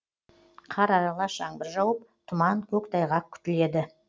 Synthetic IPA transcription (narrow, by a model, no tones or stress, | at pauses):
qʰɑɾɑɾɑlˠɑʃɑɴbɪɾʒɑwəp̚t̪ʰʊmɑŋkʲʰɵkt̪ʰɑjʁɑkʲʰʏ̥t̪ɪle̞d̪ɪ